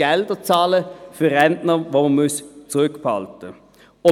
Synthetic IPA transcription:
ɛld̪ət͡sɑːləføʁɛnd̪nəʋoːmɑnmʉst͡sʊʁʉkːpʰɑlt̪ə | ɔ

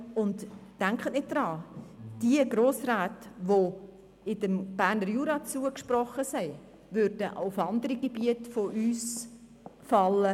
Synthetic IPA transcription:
ʊntd̥æŋkχənɪt̚d̥ɾɑːd̥iəɡɾoːsraːtvo | ɪdəmb̥æːrnəɾjuːɾɑt͡suəkʃprɔχəsɛɪ | vʏɾdəʔa̰ʊfɑndəɾiɡebiətfoʔyːs | fɑlːə

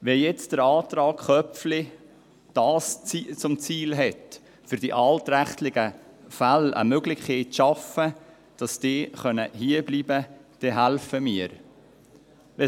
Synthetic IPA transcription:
ʋɛjɛt͡sd̥əɾɑːtrɑːkχœpflɪ | d̥ɑːsit͡sʊmt͡siːlɦɛt | fʏɾd̥iʔɑltɾæχtlɪɡ̥ə | fælə̰møɡlɪχkeːtʃɑfə | d̥ɑsd̥ɪːχœnəɦiəbliːbəd̥ɛɦælfəmiːəɾ | ʋɛ

